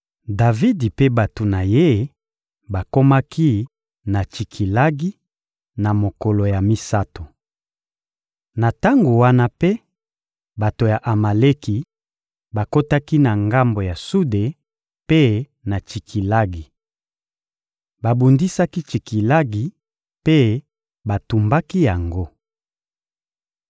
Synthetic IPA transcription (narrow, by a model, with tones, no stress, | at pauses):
da˨vi˦di˨pe˦ba˨to˨na˨je˦ | ba˨ko˦ma˦ki˦ | na˨t͡ʃi˨kʰi˨la˦ɡi˦ | na˨mo˨ko˨lo˨ja˨mi˦sa˦to˨ | na˨ta˦ŋɡo˨wa˦na˦pe˦ | ba˨to˨ja˨ʔa˨ma˨le˦ki˨ | ba˨ko˦ta˦ki˦na˨ŋɡa˦mbo˨ja˨su˦de˨ | pe˦ | na˨t͡ʃi˨kʰi˨la˦ɡi˨ | ba˨bu˨ndi˦sa˦ki˦t͡ʃi˨ki˨la˦ɡi˨ | pe˦ | ba˨tu˨mba˦ki˦ja˨ŋɡo˦